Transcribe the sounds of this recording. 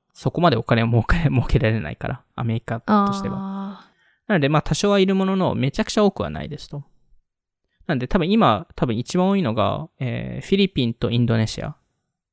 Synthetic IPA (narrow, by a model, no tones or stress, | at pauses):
so̞ko̞mad̪e̞o̞kane̞omo̞ːkemo̞ːke̞ɾaɾe̞na̰ika̰ɾʔa | a̰me̞ɾʲikat̪o̞ɕi̥t̪e̞βa̰ | nano̞d̪e̞maːt̪ʰaɕo̞βaiɾɯ̟mo̞no̞no̞̰me̞t͡ɕakɯ̟̥t͡ɕao̞ːkɯ̟βa̰na̰ḭd̪e̞sɨ̥t̪o̞ | nãno̞d̪e̞t̪abɯ̟̃imat̪ʰabɯ̟̃it͡ɕibãɰ̃oiːno̞ɡa̰ḛːɸʲiɾʲipʲĩnt̪o̞ĩnd̪o̞ne̞ɕḭa̰